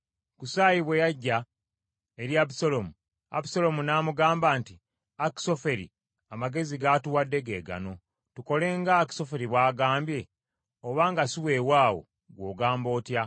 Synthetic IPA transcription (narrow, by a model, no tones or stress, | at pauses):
kusaːjiβwe̞jaɟːa | eɾjabisolomu | a̰bisolo̞munaːmuɡaːmbaːnti | aki̥so̞fe̞ɾḭ | amaɡe̞ziɡatuwadːe̞ɡe̞ːɡa̰no̞ | tuko̞le̞ːŋɡaki̥so̞fe̞ɾiβwaːɡaːmbje̞ | oβaːŋɡasiwe̞ːwaːwo̞̰ | ɡwo̞ːɡaːmbo̞ːtja